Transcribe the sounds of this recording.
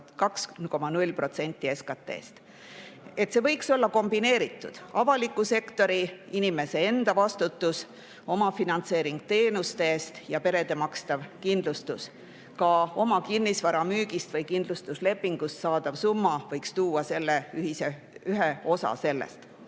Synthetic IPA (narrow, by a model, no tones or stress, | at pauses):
kɑksnko̞mɑnulʲpro̞t̪se̞nʲt̪ːˑie̞skɑt̪ːˑḛːst̪ | e̞t̪se̞vɤjkso̞lːɑko̞mbine̞ːɾit̪ːˑud̪̥ɑvɑlikːˑuse̞kt̪o̞ɾiinime̞se̞e̞nd̪̥ɑvɑst̪ut̪ːˑus | o̞mɑfinɑnt̪se̞ːɾiŋɡ̥̚t̪e̞ːnust̪e̞ːst̪jɑpe̞ɾe̞d̪̥e̞mɑkst̪ɑvkind̪lust̪us | kɑo̞mɑkinːisvɑɾɑmyːɡ̥ist̪vɤjkind̪̥lust̪usle̞pːiŋɡ̥ust̪sɑːd̪̥ɑvsumːɑvɤjkst̪uːɑse̞lːeyɦise | yɦeo̞sɑ̰se̞lːḛst̪